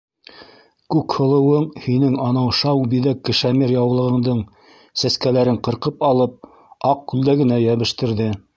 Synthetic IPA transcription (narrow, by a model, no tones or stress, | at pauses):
kʉkhŏlˠɤ̆wɤɴhinɘŋɑnɑwʃɑwbiðækːɘ̆ʃæmiɾjɑwlˠɤ̆ʁɤ̆ɴd̪ɤɴ | sæskælæɾɘɴqɤ̆ɾqɤpɑlˠɤp̚ | ɑq̚kʉld̪æɡɘ̆næjæβɘ̆ʃt̪ɘ̆ɾðɘ